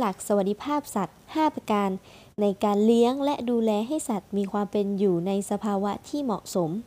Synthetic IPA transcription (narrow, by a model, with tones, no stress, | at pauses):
la˨˩k̚sa˧wa˨˩di˧˩pʰaː˥˩p̚sa˨˩t̪̚haː˥˩pa˧kaː˧nː | a˧jkaː˧nli˦˥əŋlɛ˦˥ʔduː˧lɛː˧ɦa˥˩jsa˨˩t̪̚miː˧kʰwaː˧mpe˧njuː˨˩na˧jsa˧pʰaː˧wa˦˥t̪ʰiː˥˩mɔ̰˨˩ʔso˩˦m